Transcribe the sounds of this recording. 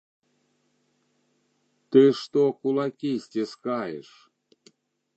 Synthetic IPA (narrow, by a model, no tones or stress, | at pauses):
t̪ɨʂt̪okulˠɑkʲisʲtʲeskɑjḛʃ